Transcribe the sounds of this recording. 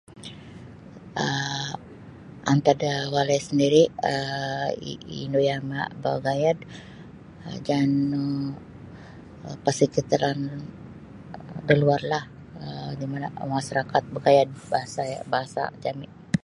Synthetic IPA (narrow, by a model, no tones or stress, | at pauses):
ə | ant̪adawalajsəndiɾiə | inojama̰bəɡajad | d͡ʒanə | pərsəkit̪əɾan | dəluarlah | ədimanamaʃaɾakat̪̚bəɡajad̚baɦasaabaɦasa̰d͡ʒamɪ